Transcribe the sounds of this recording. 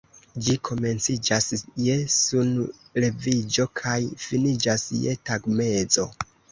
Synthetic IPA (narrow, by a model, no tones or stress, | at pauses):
d͡ʒikʰo̞me̞nt͡sid͡ʒasjesunle̞vid͡ʒo̞kʰajfinid͡ʒasje̞taɡme̞zo̞